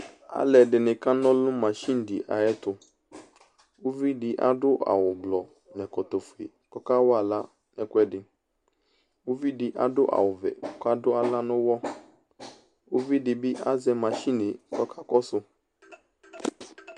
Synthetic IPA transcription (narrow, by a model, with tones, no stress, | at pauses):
a̰˦lɛ˨dɪ˨nɪ̃˨kã˦nɔ̃˦lʊ̃˦mã˨ʃi˦n̩˨dɪ˨ʔa̰˨jɛ˦tʊ˨ | wo˦vi˦dɪ˨ʔa̰˦dʊ˦ʔa̰˨wʊ˨blɔ˨ | nɛ̃˨kɔ˨t̪ɔ˨fu˨ḛ˨kɔ˦ka˦wa˦˨la˦ | nɛ˨kʷɛ˦dɪ˨ | o˦vi˦dɪ˨ʔa̰˦dʊ˦ʔa̰˨wʊ˨vɛ̰˨ɔ˦ka˦dʊ˦a˦la˦nʊ̃˦wɔ˦ | wo˦vi˦dɪ˨bɪ˦ʔa˦zɛ˦mã˨ʃi˦nɪ˨kɔ˦kʰa˦kɔ˦sʊ˦